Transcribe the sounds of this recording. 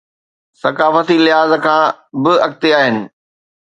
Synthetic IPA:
sɐkaːfət̪ilɪɦaːzəkʰãːbɪɐk̚t̪eaːɦɪnɪ̆

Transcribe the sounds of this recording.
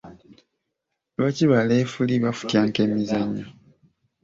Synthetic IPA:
βaciβaleːfuliβafu̥tjaːŋkemizaɲːa

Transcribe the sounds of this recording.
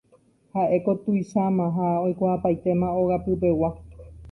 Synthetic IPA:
haʔe̞ko̞t̪uiʃamãɦaojkʷaʔapajt̪e̞mãoɣapɨp̬e̞wa

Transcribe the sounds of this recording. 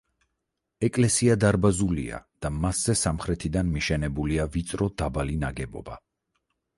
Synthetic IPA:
ɛkʼlɛsiad̪aɾbazulḭa̰d̪̥amasz̥ɛsamχɾɛt̪ʰid̪anmiʃɛnɛbuliavit̪sʼɾɔd̪abalinaɡɛbɔ̰ba

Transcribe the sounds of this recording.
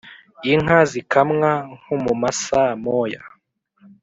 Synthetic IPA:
iŋ̥ɦazikʰamŋaŋ̥humumasamoja

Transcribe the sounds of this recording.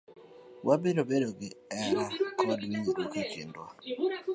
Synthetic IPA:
wʔabɪɾobedoɡɪɛɾakɔdwiɲitokakɪ̰ndwa̰

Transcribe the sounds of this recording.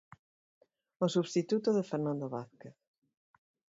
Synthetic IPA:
osuβst̪it̪ut̪oðefeɾnãnd̪oβaθkeθ

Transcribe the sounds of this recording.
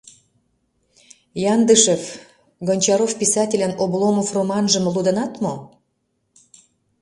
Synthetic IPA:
jɑnd̪əʃef | ɡonʲt͡ɕɑɾofpʲisɑtʲelʲənoblˠomofromɑnʒə̆mlud̪ə̆nɑt̪mo

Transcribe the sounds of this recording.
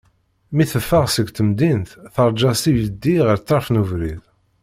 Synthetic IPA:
miθəfːəʁsəɡt̪əmd̪int̪θəɾˤd͡ʒɑsijəd̪ːiʁəɾt͡sːɑɾˤfnuvɾið

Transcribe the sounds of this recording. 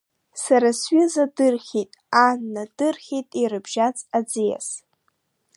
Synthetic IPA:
saɾasɥɪzadɨrχʲitʼanːadɨrχʲitʼirɨbʒat͡sʼad͡zija̰s

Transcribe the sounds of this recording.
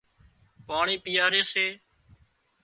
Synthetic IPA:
paːɳiːpɪjaːɾeːseː

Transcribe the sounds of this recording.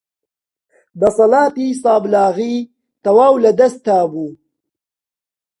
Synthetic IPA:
d̪ɐsɐlaːt̪isɑːblaːɣi | t̪ɐwaːwlɐd̪ɐst̪aːbuː

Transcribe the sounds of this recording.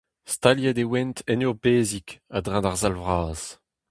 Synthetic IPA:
st̪aljad̪ewɛnt̪ɛnyʁbeːzikad̪ʁãd̪aʁzalvʁaːz̥

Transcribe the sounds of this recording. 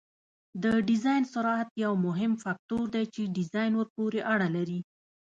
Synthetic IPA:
d̪əɖɪzɑjnsʊɾɑat̪jawmʊɦɪmfak̚t̪oɾd̪ajt͡ʃeɖɪzɑjnwəɾpoɾeʔaɽalaɾi

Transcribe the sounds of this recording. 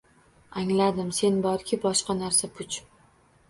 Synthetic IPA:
aŋlad̪ɪmse̞nbɒɾkʲʰɪbɒʃqɑnaɾsapʰʊt͡ʃ

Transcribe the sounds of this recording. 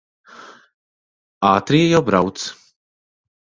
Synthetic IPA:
aːt̪ɾiːjawbɾawt̪s

